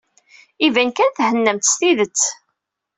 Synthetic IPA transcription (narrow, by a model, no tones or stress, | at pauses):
ivænkænθhənːəmt̪st̪iðət͡sː